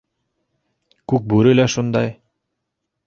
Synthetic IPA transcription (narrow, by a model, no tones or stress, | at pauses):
kʉk̚bʉɾɘlæʃund̪ɑj